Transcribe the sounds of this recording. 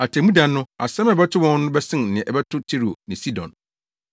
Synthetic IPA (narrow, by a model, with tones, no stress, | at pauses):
a˨tʰɛ˨mũ˦dã˨nːʊ̃˦a˨sɛ̃˦mɛ˨bɛ˦tʰʊ˦wɔ̃˦n˦nʊ̃˦bɛ˦sɪ̃˦n̩nɪ̃˨ɛ̃˨ʔɛ˨bɛ˦tʰʊ˦tʰi˦ɾo˨nɪ̃˨si˦dɔ̰̃˨n